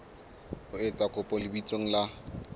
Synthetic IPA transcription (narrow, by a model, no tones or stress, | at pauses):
ʊet͡sʼakʼʊpʼɔlɪbit͡sʼoŋ̩la